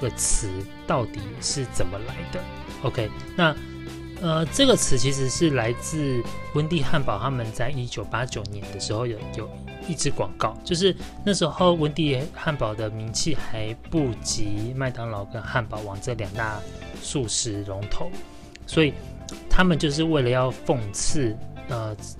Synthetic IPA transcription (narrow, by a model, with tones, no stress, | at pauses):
ɡə˨t͡s̩ʰ˧˦ | t̪ɑ˥˩ʊt̪i˨˩ʂɻ̩˥˩t͡sə˨˩nmə˦la˧˦ɪd̪ə˧ | o˧ʊkʰe˥ɪ | na˥˩ | ə˧ʈ͡ʂɤ˥˨˩ɡə˨˩t͡sʰɹ̩˧˥t͡ɕʰi˧˥ʂ̬ɻ̩˧˦ʂɻ̩˥˩la˧˥ɪt͡sɹ̩˥˩wə˦˥nt̪i˥˧xa˥˩npɑ˨˩ʊt̪ʰa˥mə˨nt͡sa˥˩ɪi˥t͡ɕjo˨˩ʊpa˦˥t͡ɕjo˨˩ʊnjɛ˨˧˦nd̪ə˨˧ʂɻ̩˧˥˦xo˥˩ʊjo˨˩jo˨˩ʊ | i˥˩ʈ͡ʂɻ̩˧˥kwɑ˨˩ŋkɑ˥˩ʊt͡ɕjo˥˧ʊʂ̬ɻ̩˥˧na˥˩ʂɻ̩˧˥xo˥˩ʊwə˦nt̪i˥˧xa˥˩npɑ˨˩ʊd̪ə˦mi˧˦nt͡ɕʰi˥˩xa˧˦ɪpu˥˩t͡ɕi˧˦ma˥˩ɪt̪ɑ˧˥ŋlɑ˧˩ʊkə˦˥nxa˥˩npɑ˨˩ʊwɑ˨˩ŋʈ͡ʂə˥˩ljɑ˨˩ŋt̪a˥˧ | su˥˧ʂɻ̩˥˩lo˧˥ŋt̪ʰo˨˩˦ʊ | swɔ˧˥i˨˩ | t̪ʰa˥mə˨nt͡ɕjo˥˧ʊʂ̬ɻ̩˥˧we˥˩ɪlə˨˩jɑ˥˧ʊfɤ˥˧ŋt͡s̩ʰ˥˩ə˩